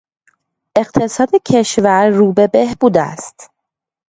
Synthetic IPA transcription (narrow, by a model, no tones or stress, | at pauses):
ʔe̞ɢt̪ʰe̞sɒːd̪ecʰe̞ʃvæɾːuːbe̞behbuːd̪æ̰st̪